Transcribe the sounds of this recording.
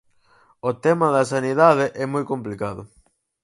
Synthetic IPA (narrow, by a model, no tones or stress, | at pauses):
ot̪ɛmɐðɐsaniðaðɪʔɛmojkomplikaðʊ̰